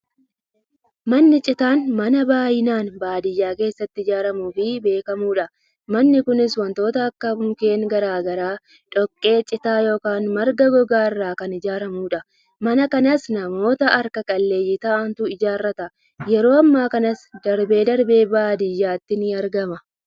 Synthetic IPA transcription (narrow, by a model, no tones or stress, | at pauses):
mɐnːɪt͡ʃʼɪt̪aːnmɐnɐbaːjɪnaːnbaːd̪ɪjːaːke̞ːsːɐt̪ːɪɪd͡ʒaːɾɐmuːfɪbe̞ːkɐmuːᶑɐ | mɐnːɪkʊnɪswɐnt̪o̞ːt̪ɐːkːɐbʊmke̞ːŋɡɐɾaːɡɐɾaː | ᶑɔkʼːe̞ːt͡ʃʼɪt̪aːjo̞ːkaːnmɐɾɡɐɡɔɡaːɪrːaːkɐnɪd͡ʒaːɾɐmuːᶑɐ | mɐnɐkɐnɐsnɐmo̞ːt̪ɐʔɐɾkɐkʼɐlːe̞ːjɪt̪ɐːʔɐnt̪ʊɪd͡ʒaːrːɐt̪ɐ | jɛɾo̞ːɐmːaːkɐnɐsd̪ɐɾbe̞ːd̪ɐɾbe̞ːbaːd̪ɪjːaːt̪ːɪnɪɐɾɡɐmɐ